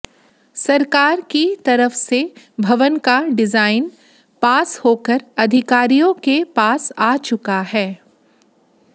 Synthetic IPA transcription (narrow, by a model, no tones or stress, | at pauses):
sɐɾkaːɾkit̪ɐɾəfse | bʱɐʋənkaɖɪzaːɪn | paːshoːkəɾɐd̪ʱɪkaːɾijõkepaːsaːt͡ʃʊkaɦɛː